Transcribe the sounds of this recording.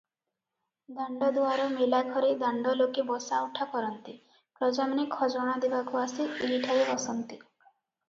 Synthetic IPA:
d̪aɳɖɔd̪uaɾɔmelaɡʱɔɾed̪aɳɖɔlokebɔsauʈʰakɔɾɔnt̪i | kɾɔd͡ʒamanekʰɔd͡ʒɔɽ̃ad̪ebakuaseʔeɦiʈʰaɾeɔsɔnt̪i

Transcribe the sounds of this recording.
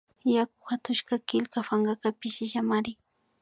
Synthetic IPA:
jakʊ̥xat̪ʊʃkakɪlkafaŋɢakapɪʃɪʃamaɾɪ

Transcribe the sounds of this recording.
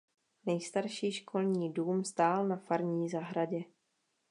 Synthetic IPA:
nɛjst̪aɾʃiːʃkʰo̞lɲiːduːmst̪aːlnafaɾɲiːzaɦɾaɟɛ

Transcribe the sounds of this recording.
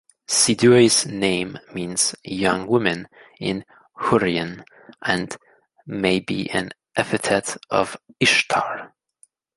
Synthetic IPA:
sidueɪz̥nẽɪ̃mːĩnz̥jʌ̃ŋwɪmɨ̃nɪ̃n | hʊɹiɨ̃n | ʔɨ̃n | meɪbḭʔɨ̰̃n | ʔæpɨtʰɛɾʌ̰vɪʃtʰɑ̰ɹ

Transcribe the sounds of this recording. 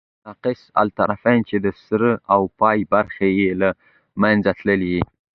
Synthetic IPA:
naqɪsa̰lt̪aɾafant͡ʃed̪əsɾəawpɑjbaɾxajela | manzat̪ləlii

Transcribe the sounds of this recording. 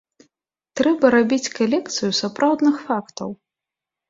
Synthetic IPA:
t̪ɾɛbɐɾabʲit͡sʲkalʲɛkt̪sɨjusapɾʔawd̪nɨxfakt̪ɐw

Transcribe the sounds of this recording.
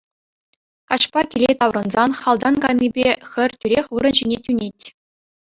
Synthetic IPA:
kɑɕpɑkʲilʲet̪ɑwrɤ̆nzɑnχɑlˠd̪ɑnɡɑjnʲːibʲexʲɘ̆rʲtʲyɾʲexʲʋɯɾɤ̆nʑinʲetʲynʲetʲ

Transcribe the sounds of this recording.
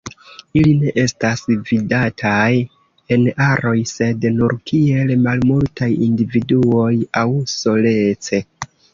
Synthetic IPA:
iline̞ʔe̞stasvidatʰaj | e̞naɾo̞jse̞dnuɾkʰie̞lmalmultajindividuo̞jawso̞le̞t͡se̞

